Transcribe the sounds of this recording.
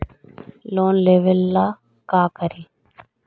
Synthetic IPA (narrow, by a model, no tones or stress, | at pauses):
loːnleʋelːa | kaːkɐɾi